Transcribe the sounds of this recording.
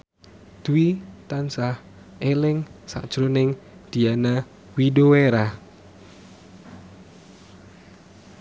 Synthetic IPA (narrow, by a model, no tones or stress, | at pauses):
d̪̥uwit̪ansah | elɪŋsa̰ʔd̥ʒ̥ɾunɪŋd̪̥i̤ana | widoweɾa